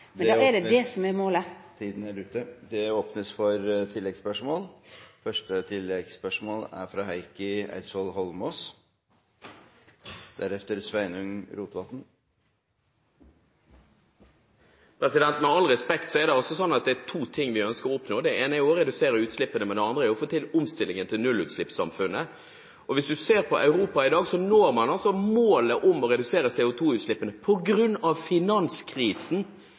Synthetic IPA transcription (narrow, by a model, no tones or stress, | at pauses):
md̪æɖɛd̪ɛsɔmɛɾmoːlət̪ʰiːd̪n̩æʉt̪ːəd̪ɛoːpnəsfɔɾt̪ʰɪlːɛɡspœʂmoːlfœʂʈət̪ʰɪlːɛɡspœʂmoːlæ̰ɾfɾɑːɦæɪkəæ̰ɪsɔlɦɔlmɔs | d̪̥æɾɛft̪əɾsʋæɪnʉŋɾuːt̪ʋɑt̪n̩ | pʰɾɛsɪd̪ɛnt̪mɛɑlɾɛspɛkt̪sɔɛɾd̪ɛɔsɔsɔnːɑt̪̚d̪ɛæt̪ʰuːt̪ʰɪŋːʋɪœnskəɾɔʊpnoːd̪ɛeːnəæʊɔɾɛd̪ʉseːɾəɾʉːt̪slɪpːənəmɛnd̪ɛɑnd̪ɾəæɔfoːt̪ʰɪlʊmst̪ɪlɪŋənt̪ʰɪlnʉlʉːt̪slɪpsɑ̰mfʉnːə | ɔʋɪsd̪ʉseːɾpʰɔʔɑʉɾuːpɑɪd̪ɑːɡsɔnoːɾmɑnɑlsɔmoːləʔʊmɔɾɛd̪ʉseːɾəsɛːʊt̪ʰuːʉːt̪slɪpːənəpʰɔɡɾʉnːɑʋfɪnɑnskʰɾiːsn̩